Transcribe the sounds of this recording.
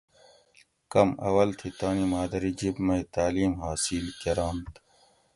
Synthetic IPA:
kɐmɐ̰wɐlt̪ʰit̪aːnimaːd̪ɐɾid͡ʑibmɐit̪aːliːmɦaːsiːlkɐɾaːnt̪

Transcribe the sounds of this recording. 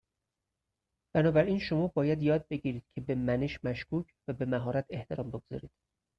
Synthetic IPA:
b̥ænɒːbæɾiːnʃo̞mɒːbɒːjæd̪jɒːd̪̚be̞ɟiːɾiːd̪̥̚cʰebemæneʃmæʃkʰuːcʰvæbe̞mæɦɒːɾæt̪ʰe̞ht̪ʰe̞ɾɒːmbe̞ɡoz̥ɒ̰ːɾiːd̪̥

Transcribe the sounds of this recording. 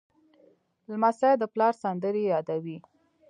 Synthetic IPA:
lmasajd̪əplɑɾsand̪əɾejɑd̪awi

